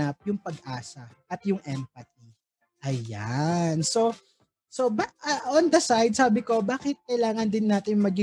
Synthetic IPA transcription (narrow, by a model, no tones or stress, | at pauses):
ɐp̚jʊŋpɐɡʔaːsɐʔɐt̪jʊŋʔɛmpɐt̪̚i | ʔɐjanso̞ | sobaʔɐond̪ɐsajd̪̚saːbɪko̞baːkɪt̪̚kɐjlaːŋɐnd̪ɪnːaːt̪ɪnŋmɐɡi